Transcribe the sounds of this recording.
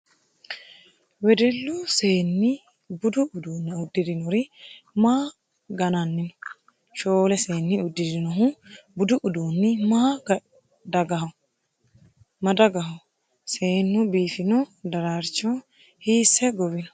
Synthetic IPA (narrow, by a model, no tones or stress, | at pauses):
wɛd̪ɛlːuseːnːɪ | bʊd̪ʊʊd̪uːnːɛʊd̪ːɪd̪ɪnɔɾɪmaː | ɡɐnɐnːɪnɔ̥ | ʃoːlɛseːnːɪʊd̪ːɪd̪ɪnɔɦʊbʊd̪ʊʔʊd̪uːnːɪma | d̪ɐɡɐɦ | mɐd̪ɐɡɐɦɐ | seːnːʊbiːfɪnɔd̪ɐɾaɾt͡ʃːɔ | hiːsːɛɡɔbɪnɔ̥